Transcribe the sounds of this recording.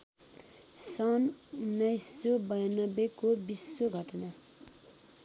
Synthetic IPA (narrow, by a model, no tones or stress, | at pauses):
sʌnnʌjsobʌjnʌbekobisːoɡʱʌʈʌna